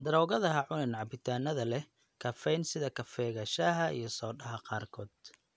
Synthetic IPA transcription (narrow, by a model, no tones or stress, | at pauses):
d̪ɐɾɔːɣɐðɐɦɐʕʊnɐnʕɑbɪt̪ʰaːnɐðɐlɛ | kʰɐfɛjnsɪðɐkʰɐfɛːɣɐʃɐɦɐʔḭjɞsɔːɗɐɦɐqɑːrkʰɔːd̪̥